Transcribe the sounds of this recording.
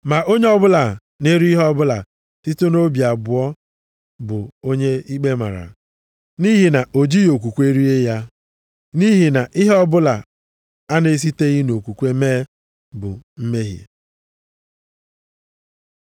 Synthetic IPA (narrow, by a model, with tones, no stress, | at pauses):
ma˨ʔo˦ɲe˦ɔ˦bʊ˦la˨ | ne˦ɾɦɔ˦bʊ˦la˨ | ti˦to˦no˦bji˨a˨bʊ˨ɔ˦ | bʊ˨o˦ɲe˦i˦k͡pe˦ma̰˨ɾa̰˨ | ni˦ɦi˨na˨ʔo˨d͡ʒi˦˨o˨k̬ʷu˨kʷe˦ɾi˦e˦ja˦ | ni˦ɦi˨na˨ʔi˦ɦɔ˦bʊ˦la˨ | a˦ne˦s̬i˦te˦ɣi˦n˨o˨kʷu˨kʷe˦meː˦ | bʊ̰˨m̩˦me˦ɦjḛ˨